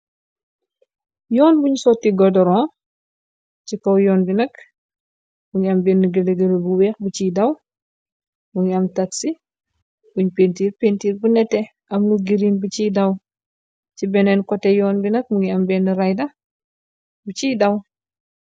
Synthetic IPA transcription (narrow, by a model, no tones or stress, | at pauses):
jɔːnbuɲsɔtːiɡɔdɔɾɔ̃ː | cikowjɔːnbinɐk | buɲiɐmbɛːnːiɡələɡəlubuwɛːxbut͡ʃidɐw | buɲɐmtɐtsi | buɲpeːntiːɾpeːntiːɾbunɛtːɛ | ʔɐmnuɡiɾiːnbut͡ʃiːdɐw | cibɛnɛnkɔtɛjɔːnbinɐk̚muŋiɐmbɛːnːiɾajdɐ | but͡ʃiːdɐw